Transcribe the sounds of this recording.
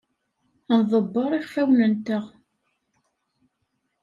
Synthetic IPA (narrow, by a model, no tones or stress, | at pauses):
nðˤəbːəɾˤiχfæwnənt̪əʁ